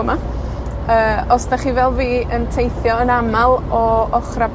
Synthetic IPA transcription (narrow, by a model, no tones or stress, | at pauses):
əma | əːɔsdaχiːvɛlˠviːəntʰejθjɔənamalˠɔɔχra